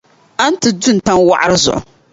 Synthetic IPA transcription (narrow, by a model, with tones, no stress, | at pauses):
a˦n˦tɨ˨du˦˨n̩˨ta˦nwa̰˦ʔa˦ɾɨ˦zʊ̰˨ʔʊ̰˨